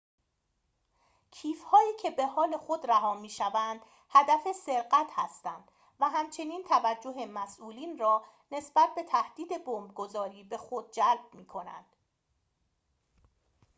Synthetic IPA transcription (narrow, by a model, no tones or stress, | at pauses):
cʰiːfhɒːiːcʰe̞be̞hɒːle̞xo̞d̪ræɦɒːmiːʃævænd̪̥ | hæd̪æfese̞ɾɢæt̪hæst̪ænd̪̥ | væɦæmt͡ʃʰe̞niːnt̪ʰævæd͡ʒːoɦe̞mæsʔuːliːnrɒː | ne̞sb̥æt̪̚be̞t̪ʰæhd̪̥iːd̪e̞bombɡo̞zɒːɾiːbe̞xo̞d̪̚d͡ʒælb̥̚miːkʰo̞næ̰nd̪̥